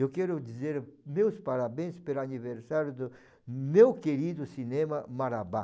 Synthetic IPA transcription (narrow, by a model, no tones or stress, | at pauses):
ewkɛɾʊd͡ʒ̪izeɾmewspaɾabẽspeɾaniveɾsaɾjʊd̪ʊ | mewkeɾid̪ʊsinẽmɐmaɾaba